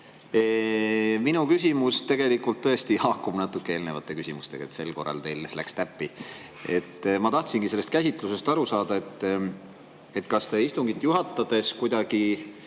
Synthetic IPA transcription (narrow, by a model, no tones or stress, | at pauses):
e | minukysʲimust̪e̞ɡ̥e̞likːult̪ːɤest̪ihɑkːumnɑt̪ːukːˑee̞ːlne̞vɑ̰t̪ˑːe̞kysʲimust̪e̞̰ɡɑ̰et̪se̞lko̞̰rːɑ̰lt̪e̞jllæ̰kst̪æpːi | e̞̰t̪ːˑmɑt̪ɑht̪sinɡise̞lːest̪̚kæsʲit̪ˑluse̞st̪ɑɾusɑːd̪̥ɑe̞t̪ːˑ | e̞t̪ːˑkɑst̪e̞ist̪uŋɡ̥it̪ːˑjuɦɑt̪ːɑd̪̥e̞skujd̪ɑɡ̥i